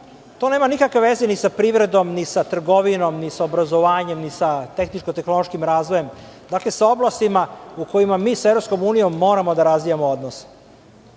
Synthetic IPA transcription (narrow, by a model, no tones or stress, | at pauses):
t̪o̞ne̞ːmanikakʋeʋe̞zenisapɾiːʋɾe̞d̪o̞mnisat̪r̩ɡo̞ʋino̞mnisaobɾazoʋaːɲe̞mnisat̪e̞xnit͡ʃkot̪e̞xnolo̞ʃkimɾaːzʋoje̞md̪aːkle̞sao̞blˠast̪imauko̞jimamiːsaevɾo̞psko̞muːnijo̞mːo̞ːɾamo̞d̪aɾazʋijamood̪nos